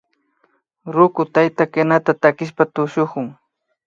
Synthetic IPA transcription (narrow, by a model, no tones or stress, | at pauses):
ɾʊkʊt̪ajt̪akanat̪at̪akɪʃ̬pat̪ʊʃoχʊŋ